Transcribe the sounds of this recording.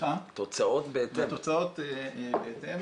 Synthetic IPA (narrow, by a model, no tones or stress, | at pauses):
at̪ot͡saot̪beet̪et̪ot͡saot̪ebeet̪em